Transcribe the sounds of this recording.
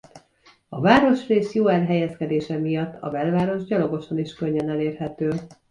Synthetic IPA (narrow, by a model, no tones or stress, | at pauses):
ɒvaːɾo̞ʃreːsjoːɛlɦɛjɛskɛd̪eːʃɛmijɒt̪ːɒ̰vɛlvaːɾo̞ʒɟɒlo̞ɡo̞ʃɒniʃkø̞ɲːønɛleːrɦɛt̪øː